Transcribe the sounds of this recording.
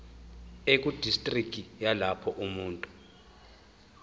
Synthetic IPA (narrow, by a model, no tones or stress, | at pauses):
ek̬ʼud̥ʱistʼrikʰʼijalapʰɔʔumuːntʼu̥